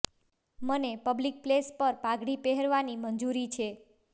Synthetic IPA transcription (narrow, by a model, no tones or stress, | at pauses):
mənepəblik̚plespəɾpaɡɽipeɦəɾʋanimənd͡ʒuɾit͡ʃʰe